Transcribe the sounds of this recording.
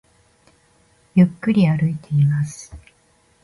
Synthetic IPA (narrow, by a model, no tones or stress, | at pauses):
jɯkːɯɾʲiaɾɯ̟it̪e̞imasɨ̥